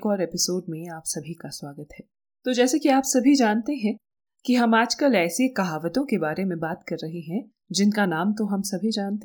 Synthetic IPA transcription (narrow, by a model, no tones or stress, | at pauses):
kɔːɾeːpɪsoːɖ̚mẽaːpsɐbʱikaswaːɡət̪ɦɛː | t̪od͡ʒɛːsekiaːpsɐbʱid͡ʒaːnt̪eɦɛ̃ | kiɦɐmaːd͡ʒkɐlɛːsekɐɦaːʋət̪õkebaːɾemẽbaːt̪kɐɾːɐɦiɦɛ̃ | d͡ʒɪnkanaːmt̪oɦɐmsɐbʱid͡ʒaːnt̪e